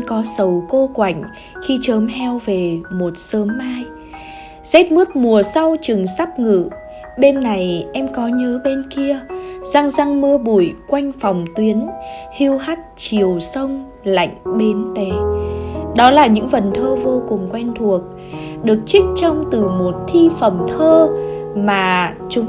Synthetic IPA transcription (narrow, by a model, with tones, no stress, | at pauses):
kɔ˨˦sə˨˩wko˧kwa˧˩jŋ̟ | xi˧t͡ɕəː˨˦mɦɛ˧wve˨˩mo˨˩t̚səː˨˦mːaː˧j | zɛ˦˥t̚mɨ˦˥ət̚mu˨˩əsa˧wt͡ɕɨ˨˩ŋsa˦˥p̚ŋɨ̰˧˨ | ɓe˧nːa˨˩jʔɛ˧mkɔ˨˦ɲəː˨˦ɓe˧nki˧əz̥a˧ŋza˧ŋmɨ˧əɓu˧˩˨jkwa˧jŋ̟fa˨˩wŋ͡mt̪wi˨˦ənhi˧əwɦa˦˥t̚t͡ɕi˨˩əwsə˧wŋ͡m | la̰˧˨jŋ̟ɓe˨˦nt̪e˨˩˦ | ɗɔ˨˦laː˨˩ɲɨ̰˧˥ŋvə˨˩nt̪ʰəː˧vo˧kʊ˨˩ŋ͡mkwa˧jŋ̟t̪ʰu˨˩ək̚ | ɗɨ˨˩ək̚t͡ɕï˦˥k̟̚t͡ɕɔ˧wŋ͡mt̪ɨ˨˩mo˨˩t̚t̪ʰi˧fə˨˩mt̪ʰəː˧maː˨˩ | t͡ɕʊ˨˦ŋ͡m